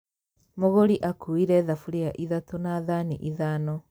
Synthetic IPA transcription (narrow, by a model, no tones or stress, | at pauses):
moɣoɾiʔakuiɾɛðafuɾeaʔiðatonaðaniʔiðanɔ